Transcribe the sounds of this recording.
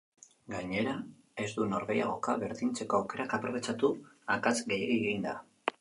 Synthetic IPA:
ɡaɲe̞ɾa | e̞zd̪uno̞ɾβe̞ja̰ɣ̞o̞kaβe̞ɾðint͡se̞ko̞awke̞ɾakapɾo̞β̞e̞t͡sat̪uakat͡sɡejeiɣind̪a

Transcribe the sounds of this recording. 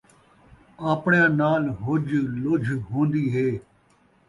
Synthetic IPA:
aːpɳejãːnaːlɦʊd͡ʒlʊd͡ʒʱɦõːnd̪iːɦeː

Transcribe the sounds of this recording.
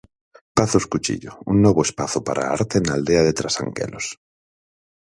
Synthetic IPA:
paθoskut͡ʃḭʎounːoβ̞oespaθopaɾʔa̰aɾt̪enald̪eaðet̪ɾasa̰ŋkḛlos

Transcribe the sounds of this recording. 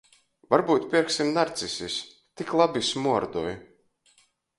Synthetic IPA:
vaɾbuːt̪pʲiɾksimnaɾt̪sisʲis | t̪iklˠabʲismuɔɾd̪uɔj

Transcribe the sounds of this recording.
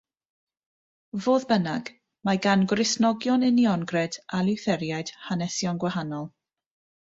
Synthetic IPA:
voːðbənaɡ | maɡanɡrɪsnɔɡjɔnɪniɔnɡrɛd̥alɪwθɛɾjajd̥hanɛsjɔnɡwahanɔlˠ

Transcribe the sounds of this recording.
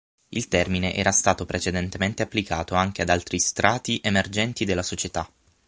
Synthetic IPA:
ilt̪ɛrmineʔɛ̰ːɾast̪aːt̪opɾet͡ʃed̪ent̪ement̪eapːlikaːt̪oaŋk̟ead̪alt̪ɾist̪ɾaːt̪iʔemerd͡ʒɛnt̪id̪elːasot͡ʃet̪a

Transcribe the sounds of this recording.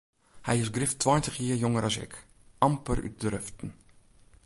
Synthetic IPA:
hɛjɪsɡrɪftwɔjntəχjiərjoŋəɾʔɑsɪ̰k | ʔɑmpəɾy̰t̚drøftn̩

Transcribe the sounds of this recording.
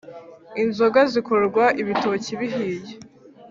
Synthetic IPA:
inzoɡazikoɾɡwaʔiβitociβiɦiːje

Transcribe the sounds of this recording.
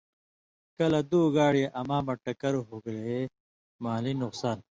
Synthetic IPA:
kɐlɐd̪uːɡaːɽijɐʔɐmaːmɐʈɐkɐɾoɦoɡle | maːlinuqsaːn

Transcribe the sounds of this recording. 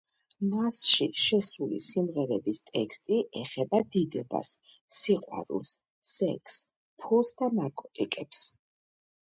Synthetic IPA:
nasʃiʃɛsulḭsimʁɛɾɛbist̪ʼɛ̰kst̪ʼiʔɛχɛbad̪id̪ɛba̰sː | iqʼwa̰ɾṵlˠs | sɛkʰʼs | pʰulˠsd̪anaɾkʼɔt̪ʼikʼɛps

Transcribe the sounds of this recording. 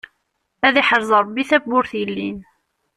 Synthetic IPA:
æðiħəɾˤzˤɑɾˤbiθæbʊɾθilːin

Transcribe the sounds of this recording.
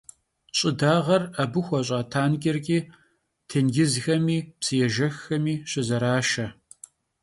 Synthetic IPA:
ɕʼɪdaːʁɐrɐbɨxʷɔɕ̬ʼɐtʰaːnkʲʼɪrkʲʼiː | tʰenɡʲɪzxɐmiːpsɨjɛʒɐxːɐmiːɕɪzɐɾaːʃɐ

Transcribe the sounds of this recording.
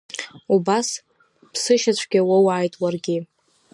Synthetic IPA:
ubas | pʰsɨʃat͡ɕʷʰɡʲawawʕajtʼwarɡʲɪ

